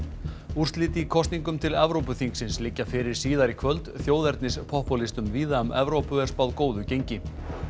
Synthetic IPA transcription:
ur̥t̪liːt̪ikʰɔst̪niŋkʏmt̪ʰɪlɛvɾowpʏθiŋksɪnslɪcːafɪɾɪɾ̥siːðaɾikʰvœlt̪θjoːwðɛɾt̪nɪspʰɔhpɔlist̪ʏmviːðaʏmɛvɾowpʏɛrspawðkoːwðʏcejɲcɪ

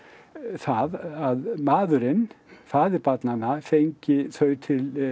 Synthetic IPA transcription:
θaðaðmaːðʏɾɪnfaːðɪɾpat̪nanːafejɲcɪθœːɥt̪ʰɪl

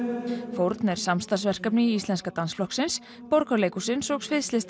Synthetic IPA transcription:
fowɾt̪nɛɾ̥samst̪asvɛr̥kapnɪiist̪lɛnskat̪ansflɔhksɪns | pɔɾkaleːjkusɪnsɔksfɪðst̪lɪst̪

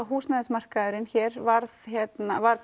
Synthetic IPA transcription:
aɦuːsnaðasmar̥kaʏɾɪnçɛːɾvaɾðçjɛtt̪navaɾ

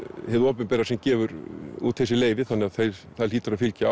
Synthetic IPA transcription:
hɛðʏɔːpɪnpɛːɾasɛmcɛːvʏɾut̪hejsɪleːjvɪθanːɪaðθejɾθaðɾliːt̪aɾaðfɪlca

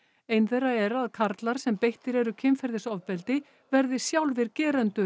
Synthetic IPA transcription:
ejnθɛjrːaɛɾaðkʰaɾt̪laɾ̥sɛmpejht̪ɪɾɛɾʏcʰɪmfɛɾðɪsɔvpɛlt̪ɪ | vɛɾðɪsjawlvɪɾcɛːɾɛnt̪ʏ

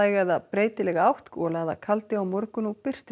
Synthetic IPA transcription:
ajɣɛðapɾeːjt̪ɪlɛɣaawht̪kɔlaða̰kʰalt̪ɪawmɔɾkʏnupɪr̥t̪

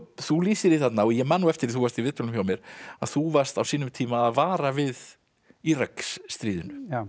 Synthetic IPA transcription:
θuliːsɪɾiθat̪naɔjɛmaːnuɛft̪ɪɾθuvaɾst̪ivɪt̪ɔlʏmçjawmjɛɾ̥aðθuvar̥st̪awsiːnʏmt̪ʰiːmaːðvaːɾavɪð | iɾaksːt̪ɾiːðʏnʏa

